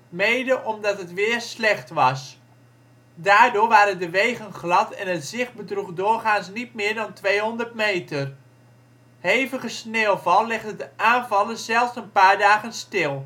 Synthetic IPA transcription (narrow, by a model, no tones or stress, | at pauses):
mejdəʔɔmdɑtɦətʋɪːɹslɛχtʋɑs | daːɹdʊːɹʋaːɾəndəʋejχənχlɑtɛnətz̥ɪχbədruχdʊːɹχaːnsnit̚mɪːɹdɑntʋejɦɔndəɹtmejtər | hejvəχəsneːlˠvɑlˠlɛχdədəʔaːnvɑlənzɛlˠfsənpaːɹdaːχənstɪlˠ